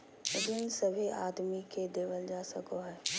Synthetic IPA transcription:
d͡ʒɪnsəbʱiʔa̰ːd̪miked̪eːʋəld͡ʒaːsəkoɦɛː

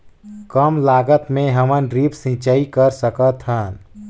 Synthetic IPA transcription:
kəmlaːɡət̪mẽɦəmənɾipsĩt͡ʃəikəɾsəkət̪ɦən

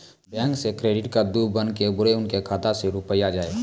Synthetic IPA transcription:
bɛ̃ːŋksekɾeːɖɪʈkad̪uːbənkebʊɾeʊnkekʰaːt̪aseɾʊpəjad͡ʒaːe

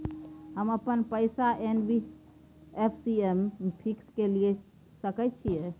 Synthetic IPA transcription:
ɦəməpənpəɪsaʔenbi | epʰsiempʰikskelie | səkɛt̪̚t͡ʃʰijɛ

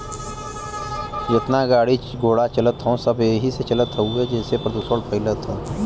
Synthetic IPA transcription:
d͡ʒɪt̪naɡaːɽi | ɡoːɽat͡ʃɐlət̪ɦõːsɐbeːɦiset͡ʃɐlət̪ɦəued͡ʒɛːsepɾd̪uːsolpəɦɪlət̪ɦõ

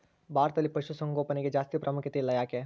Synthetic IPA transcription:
baːɾt̪ɐlːipɐʃusɐ̃ŋɡoːpɐneɡed͡ʒaːst̪ipɾʔɐmukjɐt̪elːɐjaːkeː

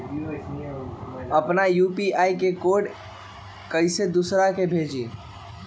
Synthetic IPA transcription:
əpnajupiaikekoɖ | kəɪsed̪usɾakebʱed͡ʒi

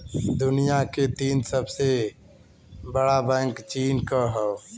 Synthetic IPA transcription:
d̪ʊnijaket̪iːnsəbse | bəɽabɛ̃ːŋkt͡ʃiːnkəɦə

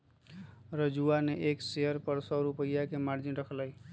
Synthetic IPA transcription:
ɾəd͡ʒuaneʔekseəɾpəɾsəɾupəjːakemaɾd͡ʒinɾəkʰləj

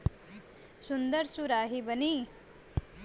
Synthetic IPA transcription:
sund̪əɾsuɾaːɦibəni

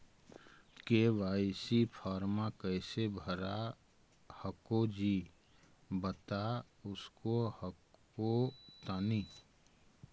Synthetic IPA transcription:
keʋaːɪsipʰɔːɾmakəɪsebʱəɾa | həkod͡ʒi | bət̪a | ʊskohək | ot̪aːni

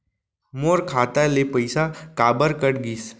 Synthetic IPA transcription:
moːɾkʰaːt̪alepəɪsakaːbəɾkəʈɡiːs

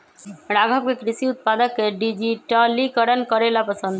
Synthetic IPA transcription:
ɾaɡʱɔb̚kekɾisiut̪̚pad̪əkːeɖid͡ʒiʈəlikəɾənkɔɾelapəsənd̪ʱ

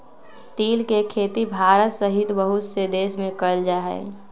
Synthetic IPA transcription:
t̪iːlkekʰeːt̪ibʱaːɾət̪səɦɪt̪bəɦʊt̪sed̪eːsmẽkəld͡ʒaːɦɛ̰

